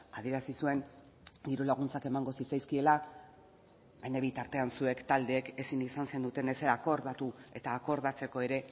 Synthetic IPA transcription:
að̞ieɾasisue̞n | d̪iɾulaɣ̞unt͡sake̞maŋɡo̞sit͡sajskie̞la | bejneβit̪aɾt̪e̞ansue̞kt̪ald̪e̞ːke̞sinisanse̞nd̪ut̪e̞nese̞ɾako̞ɾðat̪ue̞t̪aːko̞ɾðat͡se̞ko̞e̞ɾe̞

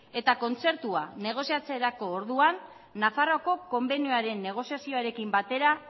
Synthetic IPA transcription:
e̞t̪ako̞nt͡se̞ɾt̪uane̞ɣ̞o̞siat͡se̞ɾako̞ːɾðuanː | afaro̞ko̞ko̞mbe̞njoaɾe̞nːe̞ɣ̞o̞siasio̞aɾe̞kimbat̪e̞ɾa

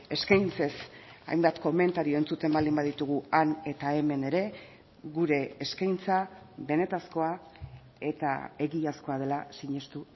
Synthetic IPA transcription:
e̞skajnt͡se̞sa̰jmbat̪ko̞me̞nt̪aɾio̞e̞nt͡sut̪e̞mbald̪imbaðit̪uɣuane̞t̪ae̞me̞ne̞ɾe̞ | ɣuɾe̞ːskajnt͡saβe̞ne̞t̪asko̞a | e̞t̪a̰e̞ɣiasko̞að̞e̞lasiɲe̞st̪u

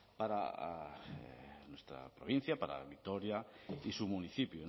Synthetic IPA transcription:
paɾa̰ | nwest̪ɾa̰pɾoβ̞in̟θjapaɾa̰βit̪oɾjaisumuniθipju

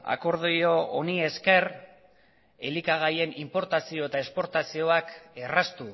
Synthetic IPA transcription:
a̰ko̞ɾðoio̞onie̞ske̞r | e̞likaɣ̞aje̞nimpo̞ɾt̪asio̞et̪ae̞spo̞ɾt̪asio̞ake̞rast̪u

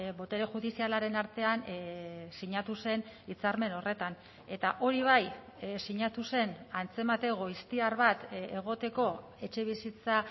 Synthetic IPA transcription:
bo̞t̪e̞ɾeʝuðisialaɾe̞naɾt̪e̞an | siɲat̪use̞nit͡saɾme̞no̞re̞t̪an | e̞t̪aʔo̞ɾiβ̞ajsiɲat̪use̞nant͡se̞mat̪e̞ɣ̞o̞ist̪iaɾβat̪e̞ɣ̞o̞t̪e̞ko̞ | e̞t͡ʃe̞β̞isit͡sa

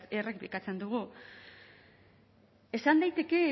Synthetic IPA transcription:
erek̚bikat͡se̞nd̪uɣu | e̞sand̪ajt̪e̞ke̞

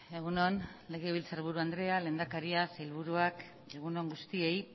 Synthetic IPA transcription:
eɣuno̞nle̞ɣ̞e̞βilt͡saɾβuɾuand̪ɾe̞ale̞nd̪akaɾiaselβuɾuak | e̞ɣ̞uno̞ŋɡust̪ie̞j

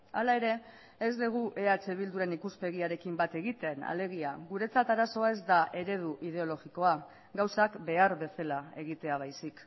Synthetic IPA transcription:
alae̞ɾe̞ː | zd̪eɣ̞uʔe̞at͡ʃe̞βild̪uɾe̞nikuspe̞ɣiaɾe̞kimbat̪e̞ɣit̪e̞na̰le̞ɣiaɣuɾe̞t͡sat̪aɾaso̞ae̞zd̪aʔe̞ɾe̞ð̞uʔið̞e̞o̞lo̞ɣiko̞a | ɡawsakbe̞aɾβe̞se̞lae̞ɣit̪e̞aβ̞ajsik

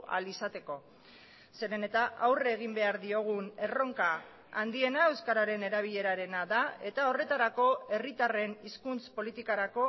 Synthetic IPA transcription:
a̰lisat̪e̞ko̞ | se̞ɾe̞ne̞t̪aʔawreɣ̞imbe̞aɾðio̞ɣ̞une̞ro̞ŋka | and̪ie̞nae̞wskaɾaɾe̞ne̞ɾaβ̞iʎe̞ɾaɾe̞naðae̞t̪ao̞re̞t̪aɾako̞e̞rit̪are̞niskunt͡spo̞lit̪ikaɾako̞

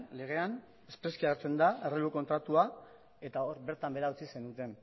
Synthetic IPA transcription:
le̞ɣ̞e̞an | e̞spɾe̞skiaɣeɾt͡se̞nd̪aereluko̞nt̪ɾat̪ua | e̞t̪ao̞ɾβe̞ɾt̪ambe̞ɾaut͡sise̞nut̪e̞n

